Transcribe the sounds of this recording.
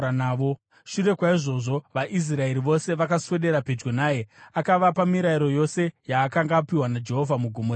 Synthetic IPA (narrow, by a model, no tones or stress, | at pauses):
aːo | ʃuɾe̞kwaiʐo̞ʐo̞ʋaʔis̬rae̞ɾiʋo̞se̞ʋakaswe̞ɗe̞ɾape̞d͡ʒɡonaːje̞akaʋapamiɾaiɾo̞jo̞se̞jaːkaŋɡaːpiwanad͡ʒe̞ɦo̞vʱamuɡʱumo